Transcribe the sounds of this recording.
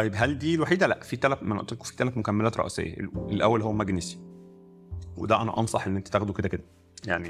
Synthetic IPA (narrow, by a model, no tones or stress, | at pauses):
t̪ˤɑjːebɦæld̪iːelwaħiːd̪ælæʔfit̪ælæt̪mænʔʔt̪elko̥fi̥t̪ælæt̪mokæmːelæt̪ɾˤɑ̰ʔsḛjːæ̰ʔḛelʔæwːælhowːæmæɡnesi̥ | wḛd̪æʔænæ̰ʔɑnsˤɑħʔenːʔent̪æt̪æxd̪oked̪æked̪æ̥ | ja̰ʕni